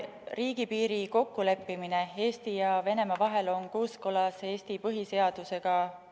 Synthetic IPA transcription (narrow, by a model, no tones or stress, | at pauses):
riːɡ̥ipiːɾiko̞kːule̞pːimine̞e̞ːst̪ijɑve̞ne̞mɑvɑɦe̞lo̞nkoːskolɑse̞ːst̪ipɤɦise̞ɑd̪̥use̞ɡ̥ɑ